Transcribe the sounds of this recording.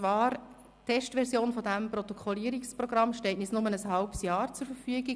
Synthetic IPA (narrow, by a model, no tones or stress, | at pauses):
t͡sʋɑːɾ | tʰɛʃtʋɛɾsjoːnfɔdæmprɔt̪ɔkʰɔliːəɾiksprɔɡ̥rɑmʃtɛltnisnʊmənəshɑlpəsjɑːɾt͡sʊɾfəɾfyəɡi